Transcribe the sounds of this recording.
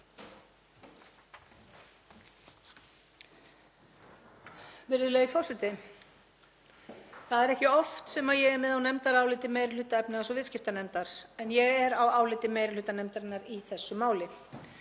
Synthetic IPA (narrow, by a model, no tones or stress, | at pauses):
vɪɾðʏleːɣifɔrsɛt̪ɪ | θaðɛɾɛhcɪɔft̪sɛmaðjɛɣɛɾmɛðawnɛmt̪aɾaːwlɪt̪ɪmeːjɾlʏːt̪aɛpnɪɛsɔvɪːscɪft̪anɛmt̪aɾ̥ɛnjɛɣɛɾawaːwlɪt̪ɪmeːjɾlʏːt̪anɛmt̪aɾɪnːaɾiθɛsːʏmaːwlɪ